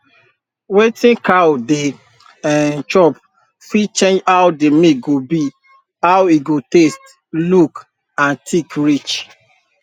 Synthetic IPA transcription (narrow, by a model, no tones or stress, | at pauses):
wetĩnkawde | ãt͡ʃɔp̚ | fit͡ʃẽnd͡ʒawdemiɡobi | awiɡotest | luk | ãntʰikɹit͡ʃ